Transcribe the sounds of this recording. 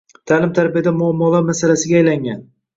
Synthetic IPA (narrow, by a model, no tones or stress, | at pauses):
t̪ʰalɪmt̪ʰaɾbijad̪amʊamːɒlˠaɾmasalasɪɡʲajlaŋɡʲan